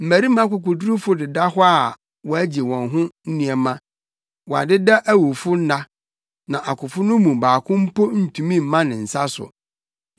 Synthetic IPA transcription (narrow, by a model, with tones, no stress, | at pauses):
m̩˨mæ˨ɾi˦mã˦kʊ˨k̬ʊ˨dɾʊ˦fʊ˦dɪ˨da˦hɔ˦a˨ | wɔ˦æ˦d͡ʑi˨wɔ̃˨nɦʊ̃˦n̩˦nĩ˨ɛ˨mã˦ | wɔ˨a̰˨dɪ˦da˦ʔæ˦wu˨fʊ˦n̩˦na˦ | nã˨ʔa˨kʰʊ˨fʊ˦nʊ̃˦mũ˨baː˨kʰʊ̃˦m̩˦po˦n̩˦˨tʰũ˨mĩ˦m̩˨mã˦nɪ̃˨n̩˨sa˦sʊ̰˨